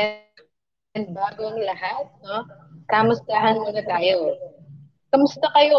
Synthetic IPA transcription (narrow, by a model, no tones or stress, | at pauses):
ɐnbaːɡoŋlɐhat̪̚no̞kamʊst̪aɦɐnmonɐt̪aːjo̞ | kɐmʊst̪ɐkɐjo̞